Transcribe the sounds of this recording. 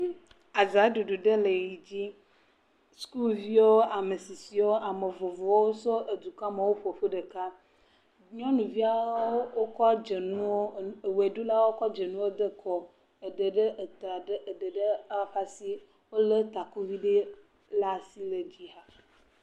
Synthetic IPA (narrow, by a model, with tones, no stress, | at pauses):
a˨za˨˦ɖu˨ɖu˨ɖə˦le˨ji˨d͡ʑi˦ | sku˦lvi˦wo˦a˨me˨si˨si˨wo˦a˨me˨vo˨vo˨˦o˦sɔ˦ʔe˨d̪u˨ka˦me˨wo˦ɸo˨ɸe˦ɖə˨ka˦ | ɲɔ̃˦nũ˨vi˦a˦o˦wo˦kɔ˦d͡ʒe˨nũ˦wo˦˨we˨ɖu˦la˦wo˦kɔ˦d͡ʒe˨nũ˦wo˦d̪ə˦kʰɔ˨ | e˨ɖə˨ɖə˦˨t̪a˨˦˨ɖə˨ɖə˦a˦ɸa˦si˦ | wo˦lə˦t̪a˨ku˦vi˦ɖe˦ | la˦si˦le˨d͡ʑi˦ɦa˦